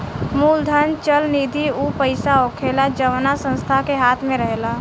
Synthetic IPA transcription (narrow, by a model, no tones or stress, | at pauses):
muːld̪ʱənt͡ʃəlniːd̪ʱiupəɪsaoːkʰelad͡ʒəʋnasə̃nst̪ʰakeɦaːt̪ʰmẽɾəɦela